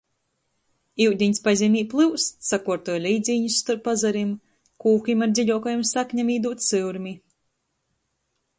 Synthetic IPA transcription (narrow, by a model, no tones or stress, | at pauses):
iwd̪ʲiɲʲspazʲimʲiːplˠɨwssakuɔɾt̪ɔjlʲiːd̪zʲiːɲusːt̪uɾpːazaɾim | kuːkimaɾd̪ziʎʲɔkɔjumsakɲʲamiːd̪uːt̪sɨwɾmʲi